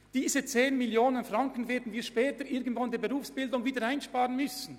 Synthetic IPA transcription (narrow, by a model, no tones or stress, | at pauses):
d̥iːzət͡seːnmɪljoːnənfʁɑŋkən̩vɛːɐdn̩viːɐʃpɛːtəʔɪɐɡən̩tvandeːɐbeʁuːfsb̥ɪldʊŋviːdəɾaɪnʃpaːʁənmʏsn̩